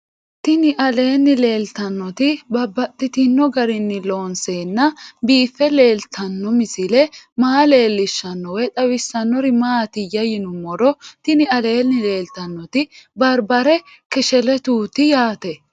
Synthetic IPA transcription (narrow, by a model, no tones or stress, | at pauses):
t̪ɪnɪʔɐle̞ːnːɪle̞ːlt̪ɐnːɔt̪ɪbɐbːɐt̪ʼːɪt̪ɪnːɔɡɐɾɪnːɪlo̞ːnseːnːɐbiːfːɛle̞ːlt̪ʰɐnːɔmɪsɪlɛmaːle̞ːlːɪʃːɐnːɔwɛt̪ɐwɪsːɐnːɔɾɪmaːt̪ɪjɐjɪnʊmːɔɾɔt̪ɪnɪɐle̞ːnːɪle̞ːlt̪ɐnːɔt̪ɪbɐɾbɐɾɛ | kɛʃɛlɛt̪uːt̪ɪjaːt̪ɛ